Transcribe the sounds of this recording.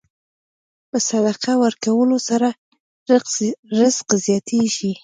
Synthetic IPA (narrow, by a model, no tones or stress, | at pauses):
pəsad̪aqawəɾkawəlosaɾa | ɾɪzqzjɑt̪ʰeʒi